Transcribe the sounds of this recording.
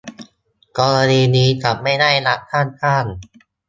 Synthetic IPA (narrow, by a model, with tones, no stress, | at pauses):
kɔː˧ɾa˧niː˧niː˦˥ka˨˩p̚ma˥˩jda˥˩jla˦˥kʰaː˥˩nkʰaː˥˩n